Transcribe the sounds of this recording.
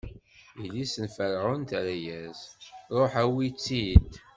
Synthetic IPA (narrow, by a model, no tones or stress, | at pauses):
ilisənfəɾʁʊnt̪ɾæjæzɾˤoħæwit͡sːid̪